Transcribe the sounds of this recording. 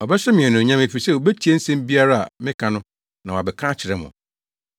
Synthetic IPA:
ɔ˨bɛ˦sɛ˦mɪ̃˨ɛ˨nʊ̃˨ɲã˦me˨fi˨sɛ˦wo˨bæ˦tʰi˨˦e˦n̩˦sɛ̃˦m˦bi˦a˦ɾa˦a̰˨mɪ̃˦kʰã˨nʊ̃˦ | nã˨wa˨bɛ˨kʰã˦t͡ɕʰɪ˨ɾɛ˦mʊ̰̃˨

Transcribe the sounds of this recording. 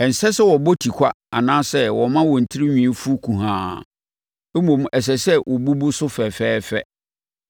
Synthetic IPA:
ɛ˨n̩˨sɛ˦sɛ˦wɔ˨bɔ˦tʰi˨kʷʰa˦ | a˨nãː˦sɛ˦wɔ˨mã˦wɔ˨n̩˨tʰɪ˦ɾi˦ɲᶣĩ˨˦fu˦kʰũ˨ɦãː˨ | e˦mõ˨m˨ɛ˨s̬ɛ˨sɛ˦wʔɔ˨bu˦bu˦sʊ˦fɛ˨fɛː˦fɛ̰˦

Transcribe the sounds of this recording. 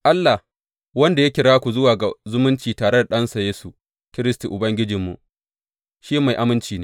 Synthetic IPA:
ʔa˦lːa˨h | wɐ˦nda˨ja˦kʲɪ˨ɽaː˦kʷu˨zʊ˦waː˨ɡa˨zʊ˦mʊ˦nt͡ʃiː˨taː˨ɽe˦da˨ɗɐ˦nsa˨jeː˦su˨ | kʲɪ˦ɾɪ˦sti˨ʔʊ˨bɐ˦ŋɡʲɪ˦d͡ʒɪ˨mːṵ˨ʔ | ʃiː˦ma˨jʔa˦mɪ˦nt͡ʃiː˨neː˦

